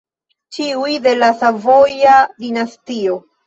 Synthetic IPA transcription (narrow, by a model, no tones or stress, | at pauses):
t͡ʃiujde̞lasavojadinastio̞